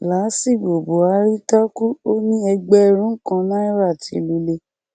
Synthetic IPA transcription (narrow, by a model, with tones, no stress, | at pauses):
la˨˦si˦˨ɡ͡bo˨bo˨a˧ɾi˦ta˦ku˦o˦nĩ˦ɛ˧ɡ͡bɛ˦˧ɾ̃ũ˦kã˧nã˦i˦ɾa˦˨tʰḭ˨˧˦lu˧˦le˧˦